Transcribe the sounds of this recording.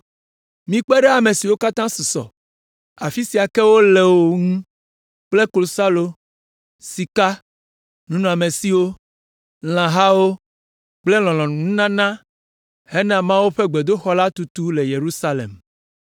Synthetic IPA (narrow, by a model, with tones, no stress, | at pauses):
mĩ˨˦k͡pɛ˦ɖɛ˦a˨me˨si˨wo˦ka˦t̪ã˦su˨sɔ̰˨ | a˨fi˦si˨a˨kɛ˦wo˦le˨wo˨ŋũ˦ | k͡ple˦klo˨sa˦lo˦ | si˨ka˦ | nũ˦nũ˨a˨me˨si˦wo˦ | l̃ã˨ɦa˦wo˦ | k͡ple˦l̃ɔ̃˨lɔ̃˨nũ˨ŋũ˦nã˦nã˦ | hɛ˦nã˨mã˦wu˦ɸe˦ɡ͡be˨d̪o˦xɔ˦la˦t̪u˨t̪u˦le˨je˨ɾu˦sa˦lḛ˨m